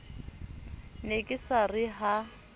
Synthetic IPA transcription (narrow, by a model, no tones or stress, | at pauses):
nekʼɪsarɪɦa